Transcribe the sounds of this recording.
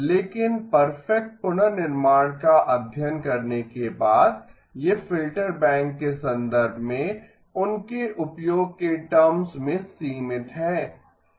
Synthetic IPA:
leːkɪnpɐɾfɛk̚ʈ̚pʊnənɪɾmaːɽ̃kaʔɐbʱjənkɐɾnekebaːd̪ | jefɪlʈəɾbɛ̃ːŋkːesɐ̃nd̪əɾbʱmẽ | ʊnkeʔʊpjoːɡ̚keʈɐmsmẽsiːmɪt̪ɦɛː

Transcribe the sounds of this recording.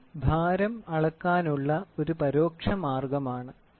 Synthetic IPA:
bʱaːɾɐmɐɭɐkːaːnuɭːɐo̞ɾupɐɾo̞ːkʂɐmaːrɡɐmaːɳɨ

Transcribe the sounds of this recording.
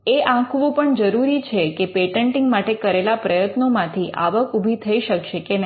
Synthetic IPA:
eʔãkʰʋũpəɳd͡ʒəɾuɾit͡ʃʰekepeʈəɳʈĩŋɡmaʈekəɾelapɾəjət̪nomãt̪ʰiʔa̰ʋəkubʱit̪ʰəiʃəkʃekenə

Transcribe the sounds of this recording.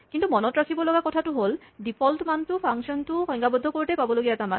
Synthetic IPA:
kintumɔnɔtɹakʰibɔlɔɡakɔtʰatʊɦoldipʰɔltmantʊpʰaŋksɔntʊxɔjŋkabɔdʱɔkoɹitɛjpabɔloɡiatama̰n

